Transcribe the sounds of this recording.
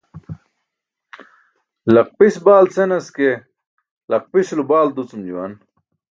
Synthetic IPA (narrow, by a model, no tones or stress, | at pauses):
lɐq̚pisbaːlt͡senɐske | lɐq̚pislubaːld̪ut͡sumd͡ʑuwɐ̰n